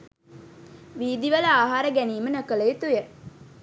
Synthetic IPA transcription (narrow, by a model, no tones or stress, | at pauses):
ʋiːd̪iʋələaːɦaːɾəɡæniːmənəkələjet̪ujə